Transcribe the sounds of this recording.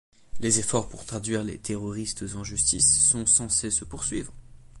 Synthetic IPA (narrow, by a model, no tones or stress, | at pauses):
lezefɔʁpuʁt̪χad̪ɥiʁlḛt̪ʰeʁɔʁist̪zɑ̃ʒyst̪isːɔ̃sɑ̃sesəpuʁsɥivʁ